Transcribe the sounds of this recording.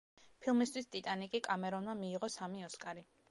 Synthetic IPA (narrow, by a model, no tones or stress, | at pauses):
pʰilˠmist̪wist̪ʼit̪ʼanikʼikʼamɛɾɔnmamiːʁɔsamiɔskʼaɾi